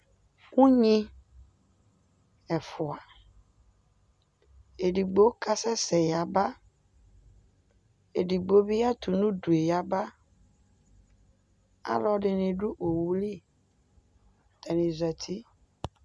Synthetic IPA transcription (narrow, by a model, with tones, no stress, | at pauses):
ŋũ˦ɲĩ˦ | ɛ˨fɔ˨a˨ | e˨ɖi˨ɡ͡bo˦ka˦sɛ˦sɛ˨ja˨ba˦ | e˨ɖi˨ɡ͡bo˦bi˦a˦t̪u˨nũ˦ɖu˨e˨ja˨ba˦ | a̰˦lɔ˦ɖe˨nẽ˨ɖu˦ʔo˨wu˦li˦ | t̪ɛ˨nĩ˨zɛ˨t̪ʰi˦